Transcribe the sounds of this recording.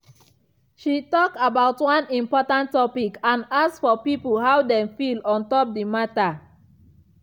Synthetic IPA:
ʃitɔkabaʊtwɔ̃nĩmpɔtãntːɔpikãnaksfɔpipulɦawdɛ̃mfilɔ̃ntɔp̚dimata

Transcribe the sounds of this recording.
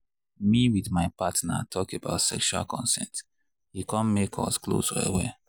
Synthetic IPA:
miwiðmaɪpatna̰tʰɔkeba̰ʊtsɛkʃua̰lkʰɔ̰̃nsɛ̰̃nt | hikɔ̃nmekʰɔ̰sklo̰sɔḛwɛ

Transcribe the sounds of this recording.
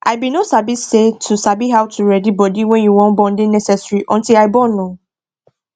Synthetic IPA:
ʔaɪbinosabisːetʰusabiɦawtʰuɹɛdibɔdiwɛ̃njuwɔ̃nbɔ̃ndenɛsɛsɹiʔɔ̃ntilaɪbɔ̃nõ

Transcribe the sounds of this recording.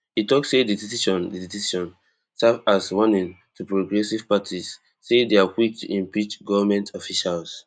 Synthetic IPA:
itɔksedidisiʃɔ̃ndidisisʃɔ̃n | savaswɔ̃nĩŋ | tʰupɹoɡɹɛsiv̥patʰisː | edeakwik̚tʰṵʔĩmpit͡ʃɡɔvamɛ̃ntʰɔfiʃals

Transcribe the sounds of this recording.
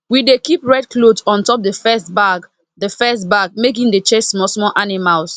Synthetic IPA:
widekipɹɛd̚klodsɔ̃ntɔp̚dəfɛstbaɡ | dəfɛstbaɡ̚mek̬ĩŋdet͡ʃesmɔsmɔlʔanimals

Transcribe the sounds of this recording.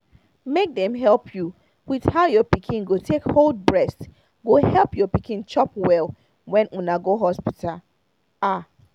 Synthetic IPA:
mek̚dɛ̃mɦɛlpʰju | wið̥haʊjɔpikʰĩnɡotʰekhold̚bɹɛst | ɡohɛlˠpjɔpikʰĩnt͡ʃɔpwɛlˠ | wɛ̃nʔũnaɡoɦɔspitʰal | a

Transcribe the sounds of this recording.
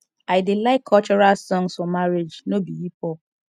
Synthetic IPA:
aɪdɪlaɪkʰːɔt͡ʃɔɹalsɔ̃ŋsfɔmaɾed͡ʒnobiipɔ

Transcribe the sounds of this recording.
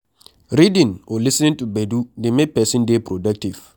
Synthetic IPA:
ɾidĩnwʔɔlisnɪ̃ntubedudimepɛsĩndepɾodak̚tiv

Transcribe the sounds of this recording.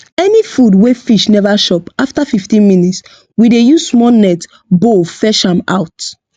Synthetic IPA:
ɛnifudwefiʃnɛvaʃɔpaftafiftĩnminits | widejuzsmɔnɛt | bofɛʃãma̰ʊt

